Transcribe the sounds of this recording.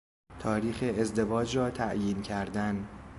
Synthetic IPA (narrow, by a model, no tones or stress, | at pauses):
t̪ʰɒːɾiːxeezd̪e̞vɒːd͡ʒɾɒːt̪ʰæʔjiːncʰæɾd̪æn